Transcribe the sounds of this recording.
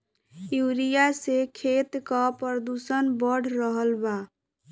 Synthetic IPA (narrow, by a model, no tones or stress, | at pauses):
juɾijasekʰet̪kəpɾəd̪usənbəɽ̤ɾəɦəlba